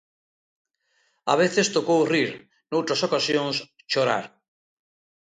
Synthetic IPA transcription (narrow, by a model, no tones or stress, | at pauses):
a̰β̞eθest̪okowriɾ | nowt̪ɾasokasjoŋs | t͡ʃoɾa̰ɾ